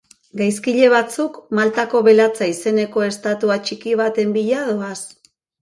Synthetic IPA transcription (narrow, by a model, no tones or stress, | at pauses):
ɡajskiʎe̞β̞at͡sukmalt̪ako̞βe̞lat͡saise̞ne̞ko̞e̞st̪at̪uat͡ʃikiβ̞at̪e̞mbiʎaðo̞as